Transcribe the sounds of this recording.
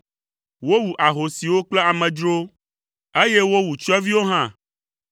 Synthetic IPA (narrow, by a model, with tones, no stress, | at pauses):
wo˦wu˨ʔa˨ɦo˨si˨wo˦k͡ple˦a˨mɛ̃˨d͡ʒɾo˦ | e˦je˦wo˦wu˨t͡ʃɛ˦vi˦wo˦ɦã˦